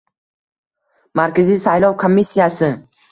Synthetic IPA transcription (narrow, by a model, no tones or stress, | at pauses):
maɾkʲazijsajlˠɒwkʰomːisːijasɪ